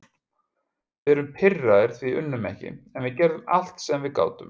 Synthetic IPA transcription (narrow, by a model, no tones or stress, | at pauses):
vɪðɛɾʏmpʰɪrːaðɪɾ̥θviʏnːʏmɛ̰hcɪ̰ɛnvɪðcɛɾðʏma̰l̥t̪sɛamvɪðka̰ːwt̪ʏm